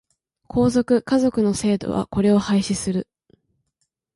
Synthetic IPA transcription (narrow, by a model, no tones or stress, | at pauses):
kʰo̞ːzo̞kɯ̟kazo̞kɯ̟no̞se̞ːd̪o̞̰βa̰ko̞ɾe̞o̞haiɕisɨɾɯ̟